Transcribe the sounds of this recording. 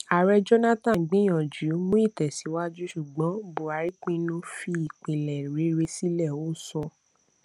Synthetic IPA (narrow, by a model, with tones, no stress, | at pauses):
a˨ɾɛ˧d͡ʒɔ˦na˦tã˨ɡ͡bĩ˨˦j̃ɔ̃˨d͡ʒu˨˦mũ˦i˦˨tɛ˨si˨˦wa˦d͡ʒu˦ʃu˨ɡ͡bɔ̃˨˦bo˨a˨˦ɾi˦k͡pĩ˧nũ˦fi˧i˦˨k͡pĩ˨lɛ˨ɾe˨˦ɾe˧si˦lɛ˦˨o˨˦˨sɔ˧